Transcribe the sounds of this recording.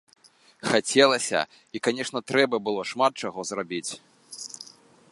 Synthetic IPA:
xat͡sʲɛlˠɐsʲɐ̰ | ikanʲɛʂnɐt̪ɾɛbɐbɨlˠɔʂmat̪̚t͡ʂaɣɔzrabʲit͡sʲ

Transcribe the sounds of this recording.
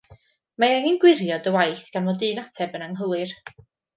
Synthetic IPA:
maɛŋinɡwɪrjɔdəwajθɡ̥anmɔdɨːnatʰɛbənaŋɦəwɨr

